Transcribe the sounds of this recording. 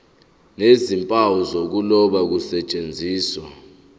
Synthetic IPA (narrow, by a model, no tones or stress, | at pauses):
nezimpʼawɔzok̬ulɔɓak̬usɛt͡ʃʼend͡zʱiːswa